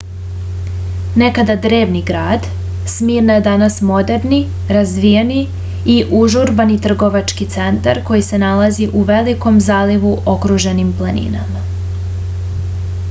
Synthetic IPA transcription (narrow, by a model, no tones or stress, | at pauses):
ne̞kad̪ad̪ɾe̞ːʋniɡɾaːd̪ | smiːɾnjed̪anasmo̞d̪e̞ɾni | ɾazʋijeni | iʔuʒuɾbanit̪r̩ɡo̞ʋat͡ʃkit̪se̞nt̪aɾko̞jise̞nalaziʔuʋe̞liko̞mzaːliʋuʔo̞kɾuʒenimplˠanḭna̰ma